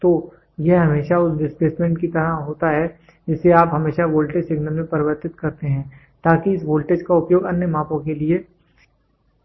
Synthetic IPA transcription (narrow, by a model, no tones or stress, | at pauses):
t̪oː | jeɦɐmeːʃaʊsɖɪspleːsmẽɳʈkit̪ɐɾaɦoːt̪aɦɛ | d͡ʒɪsːeaːpɦɐmeːʃaʋoːlʈeːd͡ʒsɪɡnəlmẽpɐɾɪʋəɾt̪ɪt̪kɐɾt̪eɦɛ̃ː | t̪aːkiɪsʋoːlʈeːd͡ʒkaʊpjoːɡɐnjəmaːpõkelie